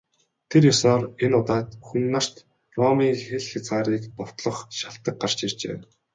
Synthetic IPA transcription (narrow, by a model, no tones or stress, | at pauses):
t̪ʰerjʊsɔːrenʊt̪aːt̪xunːar̥t̪ | rɔmiːŋxeɮxʲat͡sɢaːɾiːkpɔw̥t̪ɮɞ̆χʃaɬt̪ə̆k̚ɢar̥t͡ɕir̥t͡ɕḛː